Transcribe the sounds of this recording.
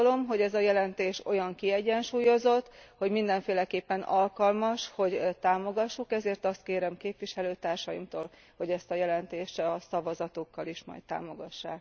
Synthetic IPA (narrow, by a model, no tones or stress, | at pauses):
lo̞mɦo̞ɟɛzɒjɛlɛnt̪eːʃo̞̰jɒŋkiɛɟɛnʃuːjo̞zo̞t̪ːho̞ɟmind̪ɛɱfeːlɛkeːpːɛnɒlkɒlmɒʃho̞ɟt̪aːmo̞ɡɒʃːukɛzeːrt̪ɒst̪keːɾɛmkeːpvʋiʃɛløːt̪aːrʃɒjḭmt̪oːl | ho̞ɟɛst̪ɒjɛlɛnt̪eːʃt̪ɒsɒvɒzɒt̪okːɒliʃmɒ̰jt̪̚t̪a̰ːmo̞ɡɒʃːa̰ːk